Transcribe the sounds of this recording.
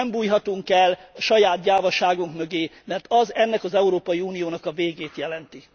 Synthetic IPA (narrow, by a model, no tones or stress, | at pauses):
mbuːjɦɒt̪uŋkɛlːɒʃɒjaːt̪̚ɟaːvɒʃaːɡuŋkmø̞ɡeːmɛrt̪ɒzɛnːɛkɒzɛuɾoːpɒjiuːnijoːnɒkɒveːɡeːt̪jɛlɛnt̪i